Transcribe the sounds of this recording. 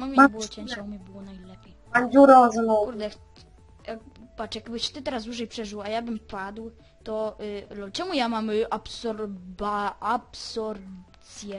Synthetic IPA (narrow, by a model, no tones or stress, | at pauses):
mɔmʲbɨwɔt͡ɕɛɲʲt͡ɕaumʲɛbɘwɔnajlɛpʲjɛjanzʲuɾɔzmɔkuɾd̪ɛk | jakpat͡ʂjakbɘɕt͡ɕt̪ɘt̪ɛɾasd̪wuʐɛjpʂɛʐɨwajabɘmpad̪w | t̪ɔlɔlt͡ʂɛmujamamapsɔɾbaapsɔɾpt̪sʲjɛ